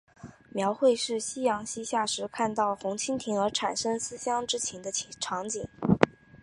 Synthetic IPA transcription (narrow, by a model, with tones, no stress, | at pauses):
mjɑ˧˥ʊxwe˥˧ɪʂɻ̩˥˩ɕi˥jɑ˧˥ŋɕi˥ɕja˥˩ʂɻ̩˧˥kʰa˥˧nt̪ɑ˥˩ʊxʊ˧˥ŋt͡ɕʰi˥nt̪ʰi˧˥ŋə˞˧˥ʈ͡ʂʰa˨˩nʂɤ˥ŋsɹ̩˥ɕjɑ˥ŋʈ͡ʂɻ̩˥t͡ɕʰɛ˧˥nd̪ə˧t͡ɕʰʈ͡ʂʰɑ˧˥ŋt͡ɕi˨˩˦ŋ